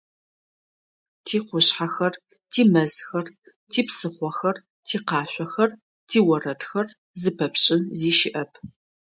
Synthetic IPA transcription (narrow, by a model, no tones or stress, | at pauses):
tʰiːqʷʊɕħaxɐr | tʰiːmɐzxɐr | tʰiːpsɨχʷɔxɐr | tʰiːqɑːɕʷɔxɐr | tʰiːwɐrɐtxɐr | zɨpʰɐpɕʼɪnziːʃɪʔɐpʰ